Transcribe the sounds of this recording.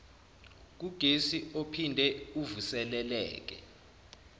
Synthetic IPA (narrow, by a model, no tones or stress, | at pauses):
k̬uɡ̥ʱesiopʰindʱɛuvusɛlɛlɛ̰ːk̬ɛ̰